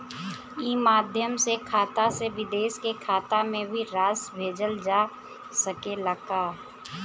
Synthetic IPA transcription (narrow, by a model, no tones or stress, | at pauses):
iːmaːd̪ʱjəmsekʰaːt̪aseʋɪd̪eːʃkekʰaːt̪amẽbʱiɾaːsbʱeːd͡ʒəld͡ʒaː | səkeləkaː